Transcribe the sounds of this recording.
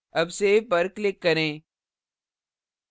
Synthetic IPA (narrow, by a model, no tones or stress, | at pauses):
ɐbsebɐɾklɪkːɐɾẽː